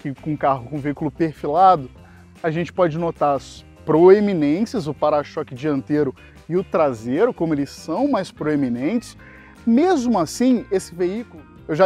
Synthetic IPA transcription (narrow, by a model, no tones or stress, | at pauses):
kɪkõũkaɦʊkõveikʊlʊpeɾfilad̪ʊ | aʒẽnt͡ʃɪ̥pɔd͡ʒɪnot̪aɾɐs | pɾoeminẽsiɐzʊpaɾaʃɔkɪd͡ʒiɐ̃nt̪eɾʊ | ɪʊt̪ɾazeɾʊkõmʊelɪsːɐ̃w̃majspɾoeminẽnt͡ʃɪ̥s | mezmʊasĩesɪveikʊlʊ | ewʒa